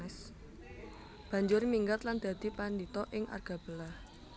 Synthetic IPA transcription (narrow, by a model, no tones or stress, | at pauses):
ɛs | b̥ä̤ɲd͡ʒʊrmiŋɡət̪land̪̥ä̤d̪̥i̤pandit̪ɔʔɪŋʔa̰rɡ̥a̤b̥ə̤lah